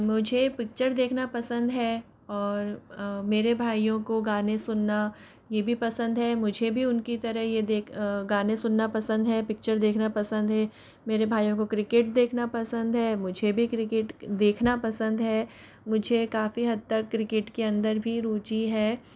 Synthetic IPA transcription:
mʊd͡ʒʱepɪk̚t͡ʃəɾd̪eːkʰnapɐsə̃nd̪ɦɛː | ɔːɾmeːɾebʱaːijõkoɡaːnesʊnːa | jebʱipɐsə̃nd̪ɦɛmʊd͡ʒʱebʱiʊnkit̪ɐɾəɦjed̪eːkɡaːnẽsʊnːapɐsə̃nd̪ɦɛpɪk̚t͡ʃəɾd̪eːkʰnapɐsə̃nd̪ɦɛ | meːɾebʱaːijõkokɾɪkɪʈ̚d̪eːkʰnapɐsə̃nd̪ɦɛːmʊd͡ʒʱebʱikɾɪkɪʈd̪eːkʰnapɐsə̃nd̪ɦɛː | mʊd͡ʒʱekaːfiɦɐd̪̚t̪ɐkːɾɪkɪʈkeɐ̃nd̪əɾbʱiɾuːt͡ʃiɦɛː

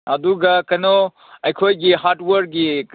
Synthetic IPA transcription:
ɐduɡɐkɐno | ɐjkʰojɡiɦaɾtwɐɾ̚ɡi

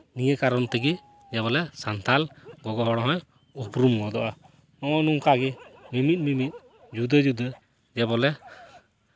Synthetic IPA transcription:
nijəkaɾɔnt̪ɛɡi | d͡ʒɛβɔlɛsant̪ʰalɡɔɡɔɦɔɽɔɦɔ̃j | upɾumɡɔd̪ɔʔa | nɔɔnuŋkaɡimimit̪̚mimit̪̚ˀ | d͡ʒud̪əd͡ʒud̪ə | d͡ʒɛbɔlɛ

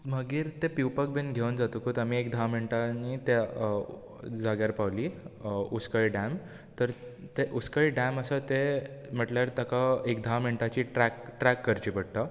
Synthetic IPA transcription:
m̤əɡiːɾt̪epiwpək̚benɡʱewnd͡zat̪ukut̪amiekd̪ʱaməɳʈanit̪e | d͡zaɡjaɾpawliuskəɭiɖãm | t̪əɾt̪eʔuskəɭiɖãməsət̪em̤əʈljaɾt̪əkaekd̪ʱaməɳʈat͡ɕiʈɛkʈɾækːəɾt͡ɕipəɽ̚t̪a

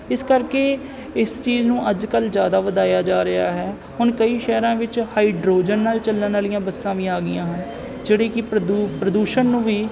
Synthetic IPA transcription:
ɪskəɾkeː | ɪst͡ʃiːznũːʔəd͡ʒkəlzjaːd̪aːʋəd̪aːjaːd͡ʒaːɾɪa̰ːɦɛː | hʊnkəiːʃɛːɾãːʋɪt͡ʃhaːiːɖɾoːd͡ʒənːaːlt͡ʃəlːənaːlɪjãːbəsːãːʋiːaːɡɪjãːɦən | d͡ʒeːɽeːkɪpɾəd̪upɾəd̪uːʃənːũːʋiː

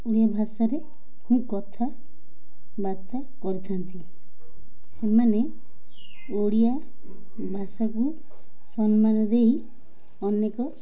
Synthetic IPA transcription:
oɽijabʱasaɾe | hũkɔt̪ʰa | baɾt̪a | kɔɾit̪ʰant̪i | semane | oɽija | bʱasaku | sɔnmanɔd̪ei | ɔnekɔ

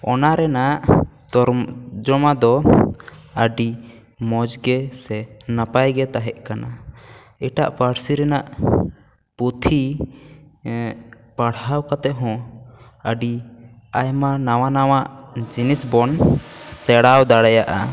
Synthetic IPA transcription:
ɔ̰naɾɛnaʔ | d͡ʒɔmad̪ɔ | əɖi | mɔd͡ʒɡɛsɛnapajɡɛt̪aɦɛʔkana | iʈa̰ʔpaɽsiɾɛnaʔ | put̪ʰi | paɽhawkat̪ɛʔɦɔ̃ | əɖi | ajmanawanawaʔd͡ʒinisbɔnsɛɽawd̪aɽajaʔa̰

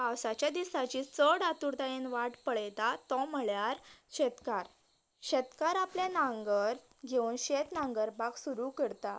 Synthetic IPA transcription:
awsat͡ɕjad̪isat͡ɕiːt͡səɽat̪uɾt̪aenʋaʈpəɭəjt̪at̪ɔ̃m̤əɭjaɾɕet̪kaɾ | ɕet̪kaɾapljanãŋɡəɾ | ɡʱeũːnɕet̪nãŋɡəɾpaksuɾukəɽt̪a

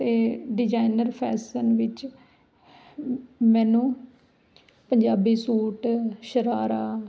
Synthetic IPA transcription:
t̪eːɖɪd͡ʒaːinəɾpʰɛːsənʋɪt͡ʃ | mɛ̃ːnũː | pəɲd͡ʒaːbiːsuːʈʃəɾaːɾaː

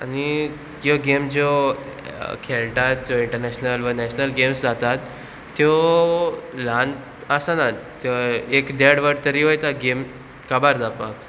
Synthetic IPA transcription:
ani | joɡemd͡ʑo | kʰelʈat̪̚d͡ʑoiɳʈəɾnɛɕnəlʋənɛɕnəlɡemsd͡zat̪at̪ː | jo | lan | əsanat̪joekd̪eɽʋəɽt̪əɾiːʋəjt̪aɡem | kabaɾd͡zapak

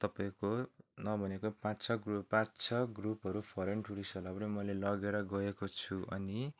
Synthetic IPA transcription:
t̪ʌpaĩkonʌbʱʌnekopãt͡sʰʌɡruppãt͡sʰʌɡrupɦʌɾupʰʌɾeɳʈuɾisʌlʌbnʌmʌlelʌɡeɾʌɡʌekot͡sʰuʔʌ̰ni

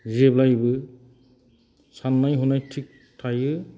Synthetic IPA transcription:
ziɛblajbɯ | sanːajɦunajtʰik̚ | tʰajɯ

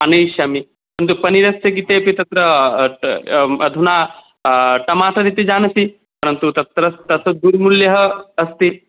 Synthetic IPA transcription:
ɐnɐjʃɐmi | pɐɾɐnt̪̬upɐniɾɐsjɐk̬it̪eːpit̪ɐt̪ɾɐ | ɐd̪ʱunaː | ʈɐmaːʈɐd̪it̪ːid͡ʒaːnɐsi | pɐɾɐnt̪ut̪ɐt̪ɾɐt̪ɐt̪ɐd̪uːɾmuljɐɦɐɐst̪i

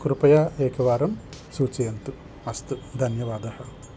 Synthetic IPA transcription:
kɾupɐjaːeːkʰɐʋaːɾɐmsuːt͡ʃɐjɐnt̪u | ɐst̪ud̪ʱɐnjɐʋaːd̪ɐhɐ̆

